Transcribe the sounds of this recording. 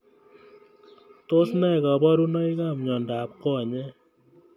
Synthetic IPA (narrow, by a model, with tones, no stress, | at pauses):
t̪o˦sna˦jka˨bɔ˦ɾu˦nʌ˦i˦ka˦˨mɲɔ˨nda˨˦p̚kɔ˦˨ɲɛ˦